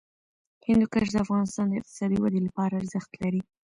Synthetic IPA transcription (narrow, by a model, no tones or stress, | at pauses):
hɪnd̪ukaʃd̪əafɣɑnɪst̪ɑnd̪əɪq̚t̪ɪ̥sɑd̪iwad̪ilapɑɾaːɾzəxt̪laɾi